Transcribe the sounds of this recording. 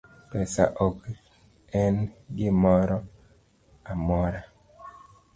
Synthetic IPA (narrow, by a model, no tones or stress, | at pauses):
pɛsa̰ʔok | ɛnɡɪmɔɾɔ | amɔɾa